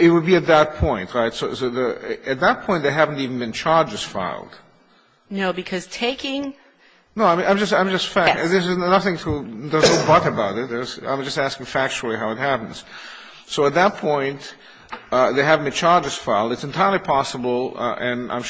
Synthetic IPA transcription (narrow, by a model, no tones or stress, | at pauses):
ɪt̚wəd̚biɨt̪̚ðət̚pʰɔ̃ɪ̃ntʰɹaɪtsoʊsoʊðɨɨt̪̚ðɨt̚pʰɔ̃ɪ̃nt̪ðeɪɦævn̩tivn̩bɨ̃nt͡ʃʰɑɹd͡ʒɨz̥fa̰ɪlˠd̥ | noʊbɨkʰʌz̥tʰeɪkɪ̃ŋ | noʊãɪ̃ʔãɪ̃md͡ʒʌstãɪ̃md͡ʒʌstfæðɪsɨznʌθɪ̃ŋtʰəðə˞zoʊbʌɾɨbaʊɾɨt̚ðə˞zã̰ɪ̃md͡ʒʌstæskɪ̃ŋfæk̚t͡ʃul̩ˠiɦaʊɨt̚hæpn̩z̥ | soʊət̪̚ðɨt̚pʰɔ̃ɪ̃nt | ðeɪɦæṽnɨ̃nt͡ʃʰɑɹd͡ʒɨz̥faɪlˠdɨtsɨ̃ntʰaɪə˞lˠipʰɑsəbl̩̰ˠʔɨ̃nã̰ɪ̃m